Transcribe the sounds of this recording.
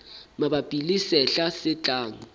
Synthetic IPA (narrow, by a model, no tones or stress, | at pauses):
maɓab̥ʼʱilisɛɬasɪt͡ɬʼaːŋi